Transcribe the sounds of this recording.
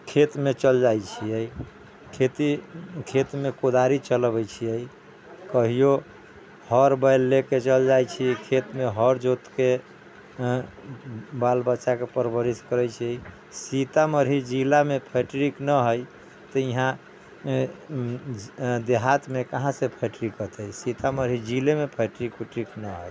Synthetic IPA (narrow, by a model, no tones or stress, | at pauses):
kʰet̪met͡ʃəld͡ʒajt͡ʃʰiəj | kʰet̪ikʰet̪mekod̪aɾit͡ʃəlbəjt͡ʃʰijəj | kəɦijo | həɾbəjlːeket͡ʃəld͡ʒajt͡ʃʰikʰet̪meɦəɾd͡ʒot̪ke | balbətːʃakepəɾbəɾiskəɾɛjt͡ʃʰiəi | sit̪aməɾɦid͡ʒilamepʰəʈɾiknəɦəj | t̪ɔiɦã | d̪eɦat̪mekaɦãsepʰəʈɾikət̪əjsit̪aməɾɦid͡ʒilemepʰəʈɾikuʈɾiknəɦəj